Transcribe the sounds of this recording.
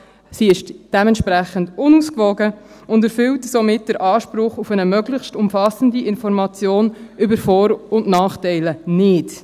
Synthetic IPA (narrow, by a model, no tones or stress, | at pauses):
siɪʃd̥ɛmɛntʃpɾæχəndʊnuːskʋɔɡə | ʊndɛɾfʏwtsɔmɪt̚d̥əɾʔɑːʃpɾʊχufənəmœɡlɪχʃtʊmfɑsəndiɪnfɔɾmɑt͡sjoːnʏbəɾfɔːɾʊndnɑːχtɛɪlənɪd